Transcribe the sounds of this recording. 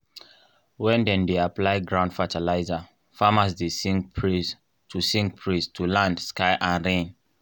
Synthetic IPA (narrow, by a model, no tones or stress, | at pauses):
wɛ̃ndɛ̃ndeaplaɪɡɹãʊ̃ndfatalaɪza | famasdesiŋ | tusĩŋk̚pʰɹistʰulãndskaɪʔãnɹẽn